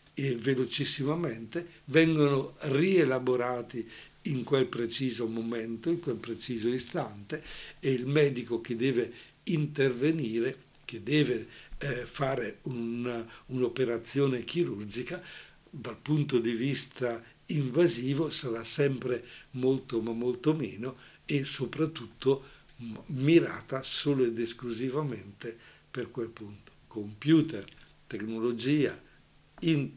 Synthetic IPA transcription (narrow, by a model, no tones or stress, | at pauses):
evelot͡ʃisːimamɛnt̪e | vɛŋɡonorielaboɾaːt̪i | iŋkwelpɾet͡ʃiːzomomɛnt̪oiŋkwelpɾet͡ʃiːzoist̪ant̪eːilmɛːd̪ikok̟ed̪ɛːve | int̪erveniːɾe | k̟ed̪ɛːve | faːɾeunaunopeɾat̪sːjoːnek̟iɾurd͡ʒika | d̪alpunt̪od̪ivist̪a | iɱvaziːvosaɾasɛmpɾemolt̪omamːolt̪omeːno | esopɾat̪ːut̪ʰːo | miɾa̰ːt̪asoːloed̪eskluzivament̪e | perkwelpunt̪o̥kompjuːt̪er | t̪eknolod͡ʒiːa̰ | in